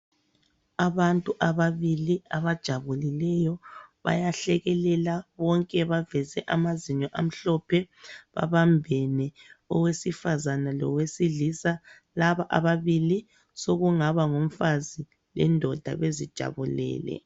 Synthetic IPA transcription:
aβantʼuʔaβaβiliaβad̥ʒ̥ʱaβulilɛjɔβa̰jaɬɛɣɛlɛlaβɔŋkʼɛβavɛzɛʔamaziɲɔʔam̩ɬɔpʰɛβa̰βambʱɛnɛɔwesifazanalɔ̰wesiɮisa | laβaʔa̰βaβili | soɣuŋaβaŋom̩fazi | lɛ̰ndʱɔd̥ʱa̰ɣezid̥ʒ̥ʱa̰βulɛ̰ːlɛ̰

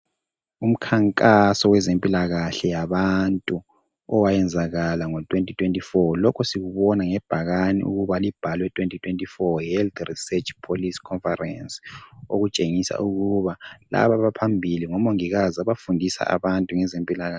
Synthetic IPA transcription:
um̩kʰaŋkʼasɔwɛzempʼilaɣaɬɛjaβantʼu | ɔwajɛnd͡zʱaɣalaŋɔtʼwentʼitʰʼwentʼifɔlɔkʰɔsiɣuβɔnaŋɛb̥ʱaɣanḭʔṵɣuβalib̥ʱalwɛtʰʼwentʼitʰʼwentʼifɔjɛlt̪risɛt͡ʃʼpʰoliskʰɔnfarɛ̰nso̰ɣut͡ʃʼeŋisa̰ʔuɣuβala̰βaβapʰambʱiliŋɔmoŋiɣazaβafundʱisa̰ʔa̰βantʼuŋɛzempʼilaɣa

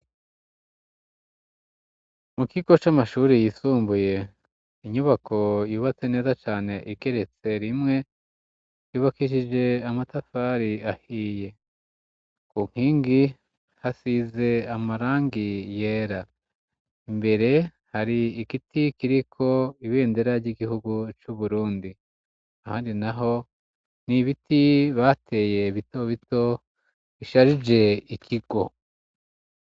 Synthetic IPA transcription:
mukiɡo̞t͡ʃamaʃuːɾejisuːmbuje̞ | iɲuβakʰo̞juːβat͡sene̞ːzat͡ʃaːne̞ʔiɡe̞ɾe̞t͡se̞ɾimŋe̞ | juːβakiʃ̬id͡ʒe̞amatafaɾiahiːje̞ | kuŋ̥hiːŋɡi | hasize̞amaɾaːŋɡije̞ːɾa | imbe̞ɾe̞ | haɾiːkitikiɾikʰo̞iβe̞ːnde̞ɾaɾɟiɡihuɡut͡ʃuβuɾuːndi | aha̰ːndinaɦo̞ | niβitiβaːte̞ːje̞βito̞βito̞ | βiʃaɾid͡ʒe̞ikʰiɡ̥o̞̰

